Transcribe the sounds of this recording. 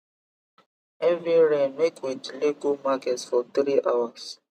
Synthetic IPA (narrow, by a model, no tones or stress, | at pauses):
ɛviɾɛ̃nmekwitliɡumakɛtsfɔt̪ɾiʔawas